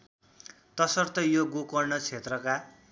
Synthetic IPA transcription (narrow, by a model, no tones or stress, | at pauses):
t̪ʌsʌrt̪ʌjoɡukʌrnʌt͡sʰet̪rʌka